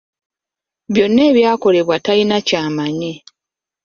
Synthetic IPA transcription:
βjo̞nːe̞ːβjaːko̞le̞βwatainacaːmaɲe

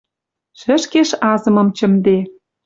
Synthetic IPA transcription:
ʃə̆ʃkeʃɑzɤ̆mɤ̆mt͡ɕə̆md̪e

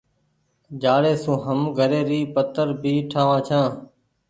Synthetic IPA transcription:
d͡ʒaːɽeːsũːɦəmɡʱəɾeːɾiːpət̪əɾbiːʈʰaːʋãːt͡ʃʰãː

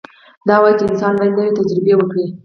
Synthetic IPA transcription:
d̪ɑwɑjt͡ʃɪnsɑnbaj̪nəwet̪ad͡ʒɾɪbewəkɽi

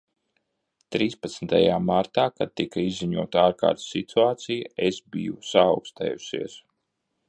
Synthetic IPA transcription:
t̪ɾiːspɐt̪smt̪ɐ̰jaːmaɾt̪aːkad̪̚t̪ikɐizːiɲuɔt̪aːɾka̰ːɾt̪sit̪ʰuaːt̪sijɐesbḭjusaːwkst̪ɛ̰ːjusḭɛs

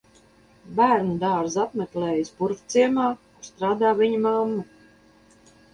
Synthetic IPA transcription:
bæːɾnud̪aːɾzat̪mʲeklɛːjisbuɾft̪siɛmaːkst̪ɾaːd̪aːvʲiɲumamːa

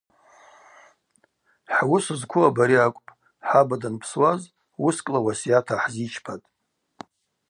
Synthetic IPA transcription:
ħwʊsɨzkʷʰʊabaɾiakʷʼpʼ | ħabadanpʰswaz | wʊskʼlawasjatʰaħzit͡ʃʰpʰatʼ

